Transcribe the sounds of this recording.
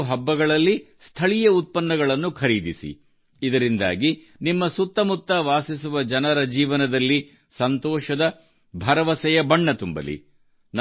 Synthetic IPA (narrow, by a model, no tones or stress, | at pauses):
ɦɐbːɐɡɐɭɐlːi | st̪ʰɐɭijɐut̪̚pɐnːɐɡɐɭɐnːukʰɐɾiːd̪isḭː | d̪ɐɾind̪a̰ːɡi | nimːɐsut̪ːɐmut̪ːɐʋaːsisuʋɐd͡ʒɐnɐɾɐd͡ʒiːʋɐnɐd̪ɐlːi | sɐnt̪ɔːʃɐd̪ɐ | bʱɐɾɐʋɐsɛjɐbɐɳːɐt̪umbɐ̰lḭ | n